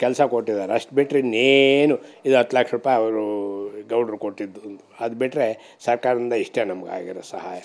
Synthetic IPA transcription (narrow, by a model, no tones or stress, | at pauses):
kɛlsɐkoʈːid̪aːɾeɐʂʈ̚biʈɾenenuid̪uɦɐt̪ːlaːkʂɐɾuːpaːjɐʋɐɾuɡɐwɳɖɐɾkoʈːid̪ːund̪uɐd̪ubiʈɾe | sɐɾkaːɾɐd̪ind̪ɐiʂʈeːnɐmɐɡa̰ːɡiɾosɐha̰ːjɐ